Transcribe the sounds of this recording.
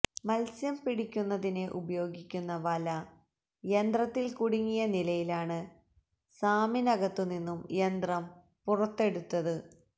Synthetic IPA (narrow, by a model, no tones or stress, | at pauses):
mɐlsjɐmpiɽikʲːunːɐðineʔubɐjo̞ːɡikʲːunːɐʋɐlɐ | jend̪rɐt̪ːilkuɽiŋːijɐnilɐjilaːɳɨ | saːminɐɡɐt̪ːuninːumjend̪rɐm | purɐt̪ːe̞ɽut̪ːɐðɨ